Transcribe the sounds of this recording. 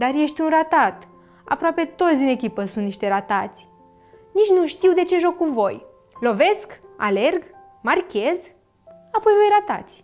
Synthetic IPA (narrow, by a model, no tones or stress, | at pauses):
d̪arje̞ʃt̪ʲunrat̪at̪ | a̰pɾoape̞t̪o̞t̪sʲd̪ine̞kʲipəsunt̪niʃt̪e̞ɾat̪at̪sʲ | nit͡ʃnuʃt̪iwd̪e̞t͡ʃe̞ʒo̞kːuvo̞j | lo̞ve̞ska̰le̞rɡ | markʲe̞z | apo̞jvo̞jrat̪a̰t̪sʲ